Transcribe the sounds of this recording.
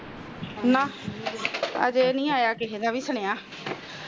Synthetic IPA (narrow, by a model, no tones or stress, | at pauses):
nãː | ə̰d͡ʒeːnĩːaːjaːkɪɦeːd̪aːʋiːsəɳ̃eːãː